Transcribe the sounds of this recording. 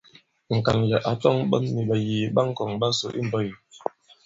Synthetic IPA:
ŋ̩˨ka˨nlɛ˨ʔa˨tɔ˦ŋɓə˦nːi˨ɓa˨ji˨ɓa˦ŋ̩˦kɔ˨ŋba˦so̰˨ʔḭ˦m˨bɔ˦˨ji˨

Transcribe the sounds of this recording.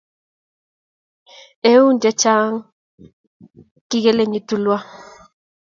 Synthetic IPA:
e˦u˦ndɛ˦t͡ʃa˦ŋ | ki˦ɣɛ˦le˦ɲi˦tu˨lwa˦

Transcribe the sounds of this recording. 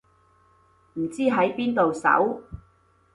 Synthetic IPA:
m̩˨˩t͡siː˥ɦɐ˨˥jpiː˥nt̪o˨wsɐ̰˨˥w

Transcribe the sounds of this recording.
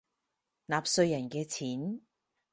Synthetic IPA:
naː˨p̚sɵ˧ɥjɐ˨˩nkɛː˧t͡sʰiː˨˥n

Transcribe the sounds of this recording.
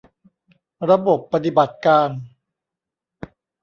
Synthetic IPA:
ɾa˧bo˨˩pːa˧t̪i˨˩ba˨˩t̪̚kaː˧n

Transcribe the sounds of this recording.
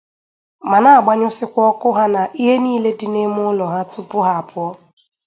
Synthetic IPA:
ma˨na˦a˨ɡ͡ba˦ɲʊ˦sɪ˦kʷɔ˦kʊ˦ɦa˦na˨ʔi˦ɦe˦niː˦le˦dɪ˨ne˦mʊ˦ʊ˦lɔ˨ɦa˦tʊ˦pʊ˦ɦa˨a˨pʰʊ˦ɔ˦

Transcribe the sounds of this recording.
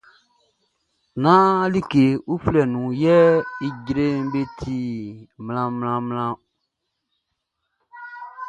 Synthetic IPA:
nã˦li˦ke˨u˦flɛ˨nũ˨jɛ˦i˦ɟɾe˦be˦tʰi˨mlã˨mlã˧mlã˦

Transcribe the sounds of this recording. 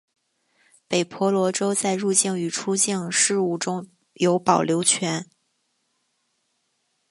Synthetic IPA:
pe˨˩ɪpʰwɔ˧˥lwɔ˧˥ʈ͡ʂo˥ʊt͡sa˥˧ɪɻu˥˧t͡ɕjɛ˥˩ŋy˨˩ʈ͡ʂʰu˥t͡ɕjɛ˥˧ŋʂɻ̩˥˧u˥˩ʈ͡ʂʊ˥ŋ | jo˧˥ʊpɑ˨˩ʊljo˧˥ʊt͡ɕʰɥɛ˧˥n

